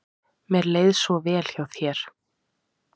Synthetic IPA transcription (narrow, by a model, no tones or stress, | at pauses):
mɛɾleːjðsvɔvɛːl̥çawθjɛːɾ̥